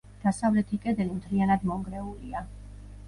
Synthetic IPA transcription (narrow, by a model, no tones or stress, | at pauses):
d̪̥asavlɛt̪ʰikʼɛd̪ɛlimt̪ʰɾianad̪mɔŋɡɾɛulia